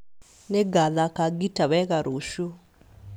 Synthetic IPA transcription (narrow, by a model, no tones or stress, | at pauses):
nɛɡaðakaɡitaβaɛkaɾʔoʃu